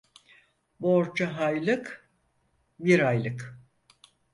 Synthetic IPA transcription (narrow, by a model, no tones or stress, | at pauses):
boɾd͡ʒaɦajlˠɯk | biɾajlˠɯk